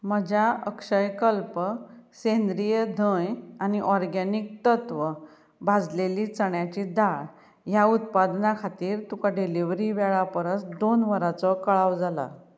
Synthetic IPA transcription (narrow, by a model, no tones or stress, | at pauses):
məd͡ʑʱaəkʂəjkəlpəsend̪ɾijəd̪ʱə̃janiʔɔɾɡanik̚t̪ət̪ʋə | bʱad͡zleliːt͡səɳjat͡ɕid̪aɭ | jaut̪̚pad̪nakʰat̪iːɾt̪ukaɖiliʋɾiʋɛɭapəɾəsd̪onʋəɾat͡sɔkəɭawd͡zala̰